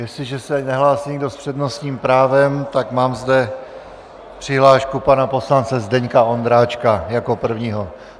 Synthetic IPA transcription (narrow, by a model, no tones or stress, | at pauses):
jɛslɪʒɛsɛnɛɦlaːsiɲɪɡdo̞spr̝̥ɛdno̞sɲiːmpɾaːvɛmt̪akmaːmzdɛ | pr̥ɪɦlaːʃkupanapo̞slant͡sɛzdɛɲkao̞nd̪ɾaːt͡ʃkajako̞pr̩vɲiːɦo̞